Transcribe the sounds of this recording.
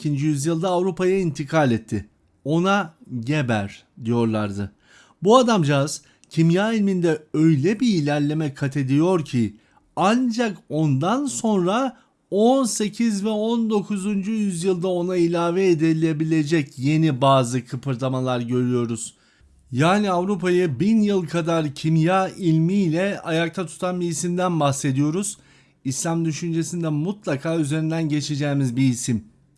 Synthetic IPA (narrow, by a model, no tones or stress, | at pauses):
ind͡ʒijyzjɯlˠd̪aːvɾupajaint̪ʰikʰalʲɛt̪ʰːɪ | o̞naɟebæɾ̥ | d̪ijo̞ɾlˠaɾd̪ɯ | buad̪amd͡ʒaz̥ | cʰimjaːilʲmind̪ɛø̞jlʲɛbiːlʲæɾlʲe̞mɛkʰat̪ʰe̞d̪ijo̞ɾcʰi | and͡ʒako̞nd̪anso̞nɾa | onse̞cʰizvɛo̞nd̪o̞kʰuzund͡ʒujyzjɯlˠd̪ao̞nailʲaːveːd̪elʲe̞bilʲe̞d͡ʒɛcje̞nibaːzɯkʰɯpʰɯɾt̪ʰamalˠaɾɟø̞ɾyjo̞ɾuz̥ | jaːniavɾupʰajɯbinjɯlˠkʰad̪aɾcʰimjailʲmiːlʲɛajak̚t̪ʰat̪ʰu̥t̪ʰanbiːsimd̪ænbaxse̞d̪ijo̞ɾuz̥ | islʲamd̪yʃynd͡ʒe̞sind̪ɛmut̪lˠakʰaːyze̞ɾind̪ænɟe̞t͡ʃʰed͡ʒɛːmizbiːsim